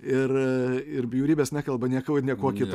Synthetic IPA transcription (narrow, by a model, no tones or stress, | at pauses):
ɪrɪɾbʲjuːɾʲiːbʲeːsnʲæːkɐlˠbɐnʲiɛkɐʊnʲiɛkoɔkʲɪt̪